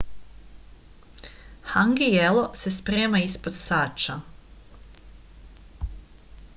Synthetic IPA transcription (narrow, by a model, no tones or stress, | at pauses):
haŋɡijelˠo̞se̞spɾeːmaispod̪saːt͡ʃa